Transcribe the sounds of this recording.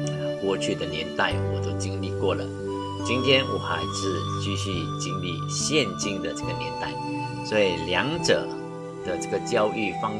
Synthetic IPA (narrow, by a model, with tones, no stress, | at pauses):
kwɔ˥˧t͡ɕʰy˥˩d̪ə˩njɛ˧˥nt̪a˥˩ɪwɔ˨˩t̪o˥ʊt͡ɕi˥ŋli˥˧kwɔ˥˩lə̰˩ | t͡ɕi˥nt̪ʰjɛ˥nwʔɔ̰˨˩xa˧˥ɪʂɻ̩˥˧t͡ɕy˥˧ɕy˥˧t͡ɕi˥nli˥˧˨ɕjɛ˥˨nt͡ɕi˥ŋd̪ə˨ʈ͡ʂə˥˩ɡə˨njɛ̰˧˦nt̪a˥˩ɪ | swɔ˧˥i˨˩ljɑ˧˥ŋʈ͡ʂɤ̰˨˩˦ | d̪̥ə˨ʈ͡ʂə˥˩ɡə˩t͡ɕjɑ˥ʊʔy˥˩fɑ˥ŋ